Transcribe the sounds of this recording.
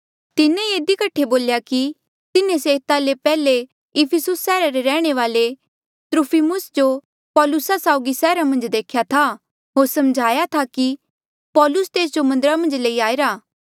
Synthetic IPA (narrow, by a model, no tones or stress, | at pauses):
t̪ɪnẽeːd̪ikɐʈʰːeboːljaki | t̪ɪnẽseːt̪alepɛːle | ɪpʰɪsʊsːɛːɾaɾeɾɛːɽ̃eʋaːle | t̪ɾupʰimʊsd͡ʒo | pɔːlʊsasaːʊɡisɛːɾamɐ̃nd͡ʒd̪eːkʰjat̪ʰa | ɦoːɾsɐmd͡ʒʱaːjat̪ʰaki | pɔːlʊst̪eːs̬d͡ʒomɐ̃nd̪əɾamɐ̃nd͡ʒleiaːeɾaː